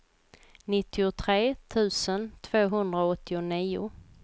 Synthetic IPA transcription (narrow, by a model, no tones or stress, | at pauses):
nɪt̪ːɪʊt̪ʰɾeːt̪ʰʉ̟ːsənt̪ʰv̥oːɦɵnd̪ɾaɔt̪ʰːɪʊniːʊ̰